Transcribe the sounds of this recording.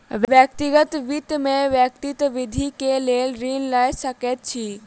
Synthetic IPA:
ʋjʋjək̚t̪iɡət̪ʋit̪mẽʋjək̚t̪it̪ʋɪd̪ʱikeleːlɾiːnlajsəket̪̚t͡ʃʰiː

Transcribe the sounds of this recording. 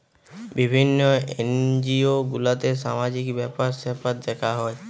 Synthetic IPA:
bibʱinːɔend͡ʒioɡulat̪esamad͡ʒikbɛpaɾsepat̪̚d̪ɛkʰaɦɔj

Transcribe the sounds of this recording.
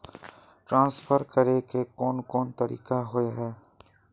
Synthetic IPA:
ʈɾãːnsfʰəɾkəɾekekɔːnkɔːnt̪ɐɾḭːkaɦoeɦɛː

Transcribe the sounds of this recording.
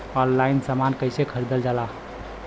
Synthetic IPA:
ɔnlainsamankəjsekʰəɾid̪əld͡ʒala

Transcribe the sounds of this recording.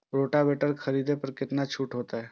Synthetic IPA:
ɾoːʈabeʈəɾkʰəɾiːd̪ʱepəɾkɪt̪nat͡ʃʰuːʈɦoːt̪aɦɛ

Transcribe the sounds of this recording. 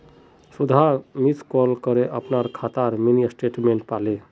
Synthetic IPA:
sud̪ʱamit̪kɔlkəɾeʔəpnaɾkʰat̪aɾminiəsʈeʈmeɳʈ̚pale

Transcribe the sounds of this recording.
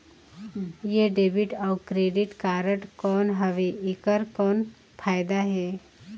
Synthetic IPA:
jeɖebiʈawkɾeɖiʈkaɾəʈkɔːnɦəʋeʔikəɾkɔn | fʰajd̪aɦe

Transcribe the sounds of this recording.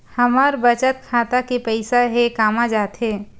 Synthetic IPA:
həməɾbət͡ʃət̪̚kʰaːt̪akipəɪsaɦekaːmad͡ʒaːt̪ɦe

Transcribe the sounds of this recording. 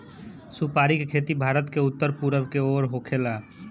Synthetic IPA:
supaːɾikekʰeːt̪ibʱaːɾət̪keʊt̪ːəɾpuɾəbkeoːɾɦoːkʰela

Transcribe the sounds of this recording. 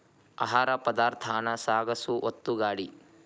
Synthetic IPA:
ɐɦaːɾɐpɐd̪aːɾt̪ʰaːnɐsaːɡɐsuʔot̪ːuɡaːɽi

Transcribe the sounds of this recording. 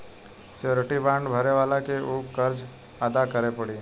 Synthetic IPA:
seoːɾeʈibãːɳɖbʱɐɾeʋaːlakeuːkəɾd͡ʒ | aːd̪akəɾepɐɽiː

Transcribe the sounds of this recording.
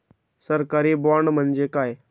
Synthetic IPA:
səɾkəɾiːbɔɳm̤ənd͡ʑekaːj

